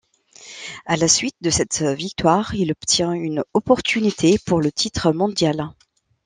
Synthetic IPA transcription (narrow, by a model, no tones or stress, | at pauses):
alasɥit̪̚d̪əsɛt̪vik̚t̪waʁilɔpt̪jɛ̃ynɔpɔʁt̪ynit̪ʰepuʁlət̪ʰit̪χəmɔ̃d̪jal